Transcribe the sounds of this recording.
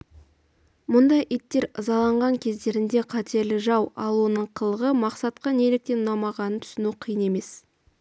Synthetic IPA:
mʊnd̪ɑjʔijt̪ːe̞ɾəzɑlˠɑɴʁɑŋkʲʰe̞zd̪e̞ɾɪnd̪e̞qʰɑt̪ʰe̞ɾlɪʒɑwɑ̰lˠuənəɴqʰəlˠəʁəmɑqsɑt̪̚qɑnelɪk̚t̪e̞nnɑmɑʁɑnənt̪ʰʏ̥sɪnuqʰijəne̞me̞s

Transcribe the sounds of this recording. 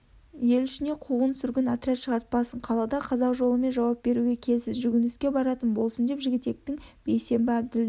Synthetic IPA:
je̞lʏʃɪne̞qʰuʁənsʏɾɡʲɪnat̪ɾʲat̪ʃəʁɑɾt̪̚pɑsəɴqʰɑlˠɑd̪ɑqʰɑzɑwʒo̞lˠəme̞nʒɑwɑp̚b̥e̞ɾuɡʲe̞kʲʰe̞lsɪzʒʏɡʲɪnɪskʲe̞bɑɾɑt̪ənbo̞lˠsənd̪e̞pʒɪɡʲɪt̪ːe̞k̚t̪ɪŋb̥e̞jse̞mbɪæb̚d̪ɪld̪ɪ

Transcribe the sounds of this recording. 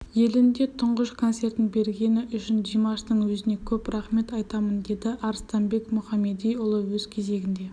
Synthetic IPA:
je̞lɪnd̪e̞t̪ʰʊɴʁəʃkʰo̞nse̞rt̪ɪnbe̞ɾɡʲe̞nɪʔʏʃɪnd͡ʒijmɑʃt̪əɴwɵzɪne̞kʲʰɵprɑχme̞t̪ɑjt̪ɑmənd̪e̞d̪ɪʔɑɾst̪ɑnbe̞kmʊχɑme̞d̪ijʊlˠəwɵz̥kʲʰe̞ze̞ɡʲɪnd̪e̞

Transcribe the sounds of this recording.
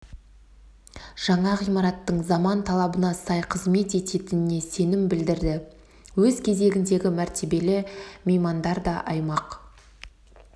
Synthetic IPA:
ʒ̥ɑɴɑʁijmɑɾɑt̪ːəɴzɑmɑnt̪ʰɑlˠɑbənɑsɑjqʰəzme̞t̪e̞t̪e̞t̪ɪnɪne̞se̞nɪmbɪld̪ɪɾd̪ɪ | wɵzkʲʰe̞ze̞ɡʲɪnd̪e̞ɡʲɪmæɾt̪ʰe̞be̞lɪmejmɑnd̪ɑɾd̪ɑʔɑjmɑq

